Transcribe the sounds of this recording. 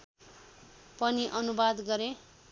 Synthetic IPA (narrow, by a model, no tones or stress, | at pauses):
pʌniʔʌnubad̪ɡʌɾẽ